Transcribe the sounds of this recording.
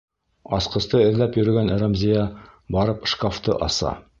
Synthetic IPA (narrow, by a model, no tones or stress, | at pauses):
ɑsqɤ̆st̪ɤɘ̆ðlæpjɵ̆ɾɘ̆ɡæn̆ɾæmzʲijɑbɑɾɤpʃkaft̪ɤʔɑsɑ̰